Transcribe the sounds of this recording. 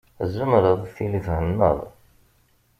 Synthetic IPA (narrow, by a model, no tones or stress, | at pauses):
zːəmɾəðˤθiliθhənːə̰ðˤ